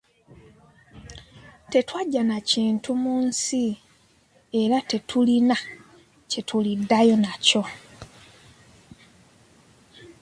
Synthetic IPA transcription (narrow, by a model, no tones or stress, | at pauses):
te̞twaɟːanaciːntumuːnsi | e̞ɾate̞tʰulina | ce̞tʰulidːajo̞naco̞